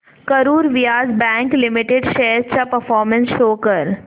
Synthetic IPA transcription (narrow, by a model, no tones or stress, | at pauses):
kɐɾuːɾʋɪjaːzbɛ̃ːŋklɪmɪʈeɖʃɛɦɾt͡ʃapɐɾfɔːɾmə̃nsʃoːkəɾ